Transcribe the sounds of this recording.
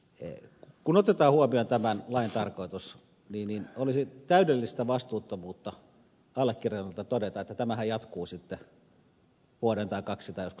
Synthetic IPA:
kunot̪et̪ɑːhuɑmiont̪æmænlɑint̪ɑrkoit̪us | niːnninolisit̪æydelːist̪æʋɑst̪uːt̪ːomuːt̪ːɑ | ɑlːekːirenolt̪ɑt̪odet̪ɑet̪ːæt̪æmæhæjɑt̪kuːsit̪ːe | ʋuoɾent̪ɑikɑksit̪ɑijosku̥

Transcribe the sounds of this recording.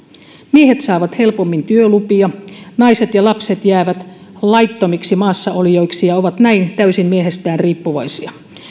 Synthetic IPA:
miehet̪sɑːʋɑt̪he̞lpomːint̪yølupiɑnɑiset̪jɑlɑpset̪jæːʋæt̪ | lɑit̪ːomiksimɑːsːɑoljo̞iksijɑoʋɑt̪næint̪æysimmieɦest̪æːnriːpːuʋɑisiɑ

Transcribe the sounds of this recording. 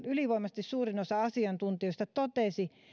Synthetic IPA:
yliʋoˑimɑse̥t̪issuːrinosɑɑsiɑnt̪unt̪iost̪ɑt̪ot̪esi

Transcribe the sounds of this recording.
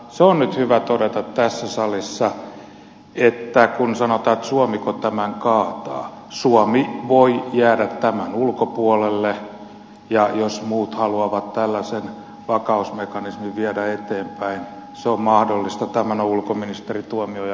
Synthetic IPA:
seonnyt̪hyʋæt̪odet̪ɑt̪t̪æsːæsɑlisːɑ | et̪ːækunsɑnot̪ɑːet̪suomikot̪æmæŋkɑːt̪ɑ̰ː | suɔmiʋoijæːdæt̪tæmænulkopuɔlelːe | jɑjosmuːt̪hɑluɑʋɑt̪t̪ælːæsen | ʋɑkɑusmekɑnismiʋʋiædæet̪eːmpæin | seommɑhdolːist̪ɑt̪æmænoulkominist̪erit̪uomioj

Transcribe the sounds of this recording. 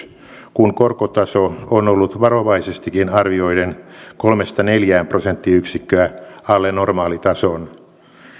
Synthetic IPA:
kuŋkorkot̪ɑsoonolːut̪ʋɑroʋɑisest̪ikinɑrʋioidenkolmest̪ɑneljæːmprosent̪ːiyksikːøæɑlːenormɑːlit̪ɑson

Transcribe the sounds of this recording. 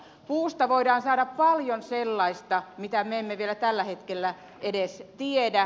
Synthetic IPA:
puːst̪ɑʋoidɑːnsɑːdɑppɑljonselːɑist̪ɑmit̪æmeemːeʋielæt̪ælːæhet̪kelːæ | ʔedest̪iedæ

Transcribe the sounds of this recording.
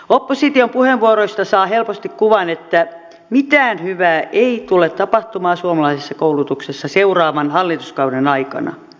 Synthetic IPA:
opːosit̪iompuheʋʋuoroist̪ɑsɑːhelpost̪ikkuʋɑnet̪ːæ | mit̪æːnhyʋæːʔeit̪ulet̪t̪ɑpɑht̪umɑːsuomɑlɑisesːɑkoulut̪uksesːɑseurɑːʋɑnhɑlːit̪uskɑudenɑikɑ̰nɑ̰

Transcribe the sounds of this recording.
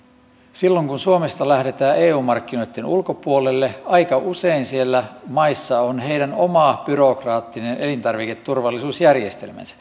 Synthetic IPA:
silːoŋkunsuome̞st̪ɑlæhɾe̞t̪æːʔeːuːmɑrkːino̞jt̪ːenulko̞puolelːeɑjkɑʔuseinsielːæmɑisːɑonɦeidænomɑb̥yɾo̞krɑːt̪ːinenʔe̞lint̪ɑrʋike̞t̪ːurʋɑlːisuːsjærjest̪e̞̰lmæ̰nsæ̥

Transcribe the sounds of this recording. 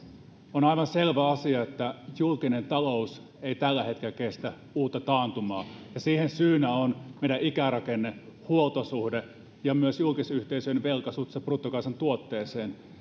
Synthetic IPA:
onɑiʋɑnselʋæɑsiɑet̪ːæjulkinent̪ɑlous | eit̪ælːæhet̪kelækest̪æ | uːt̪ːɑt̪ɑːnt̪umɑːjɑsiːhensyːnæonmeiɾæʔikærɑkenːehuolt̪osuhde | jɑmyøsjulkisyht̪eisyøeʋelkɑsut̪seprut̪ːokɑsɑnt̪uot̪ːeːseːn

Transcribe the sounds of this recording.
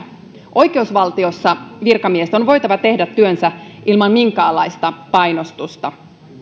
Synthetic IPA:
ʔo̞jk̟e̞usʋɑlt̪io̞sːɑʋirkɑmiest̪o̞nʋo̞jt̪ɑʋɑt̪e̞hdæt̪ːyønsæʔilmɑnmiŋkæːlːɑjst̪ɑpɑjnost̪ust̪ɑ

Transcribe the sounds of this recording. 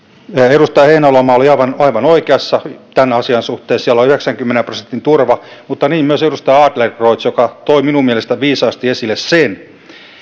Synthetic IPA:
erust̪ɑjheinæolomɑːoliɑiʋɑnɑiʋɑnoikeɑsːɑt̪ænɑsiɑnsuht̪eːssiælːoyheksæŋkymːenemprosent̪ːint̪urʋɑmut̪ːɑniːmmyøserust̪ɑjɑːd̪lerroit̪sjokɑt̪oiminummielest̪æʋiːsɑːst̪iesilːˑessen

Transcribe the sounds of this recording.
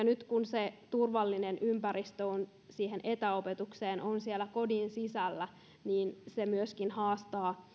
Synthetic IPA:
ɑnyt̪kunset̪urʋɑlːinenʔympæɾist̪øon | siːɦenʔet̪æo̞pet̪ukseːnʔonsielːækodinsisælːæ | niːnsemyøskinhɑːst̪ɑː

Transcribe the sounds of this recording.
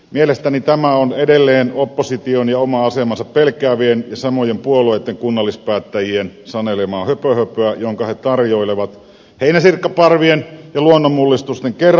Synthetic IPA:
mielest̪ænit̪æmæonedelːeːnopːosit̪ionjɑomɑɑsemɑnsɑppelkˑeæːʋienjɑsɑmojempuolueˑit̪ːeŋkunːɑlːispæːt̪ːæjiensɑnelemɑːhøpøhøpˑøæjoŋkɑhet̪ɑrjoˑileʋɑt̪ | heinæsirkːɑpɑrʋienjɑluonːomulːist̪ust̪eŋker

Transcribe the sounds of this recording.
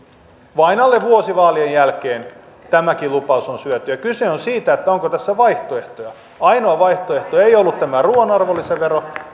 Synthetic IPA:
ʋɑinɑlːeʋʋuosiʋɑːliejjælkeːn | t̪æmækilupɑusonsyæt̪yjækyseonsiːt̪æet̪ːæoŋkot̪æsːæʋɑiht̪oe̞ht̪ojɑ | ɑinoɑʋɑiht̪oeht̪oɑeiolːut̪t̪æmæruonoɑrʋolːiseʋero

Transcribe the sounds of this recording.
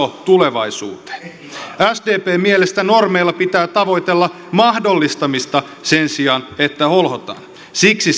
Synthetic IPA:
ot̪uleʋɑisṵːt̪e̥ː | æsdeːpeːmielest̪ænormejlːɑpit̪æːt̪ɑʋo̞it̪elːɑ | mɑhdo̞lːist̪ɑmist̪ɑ | sensiɑnet̪ːæholhot̪ɑ̰ːn | siksi

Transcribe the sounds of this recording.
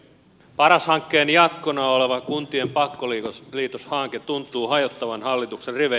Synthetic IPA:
pɑɾɑshɑŋkːe̞ːnjɑt̪konɑole̞ʋɑkunt̪ie̞mpɑkːoliliːt̪oshɑːŋket̪unt̪ˑuːɦɑjot̪ːɑʋɑnhɑlːit̪ukserriʋe

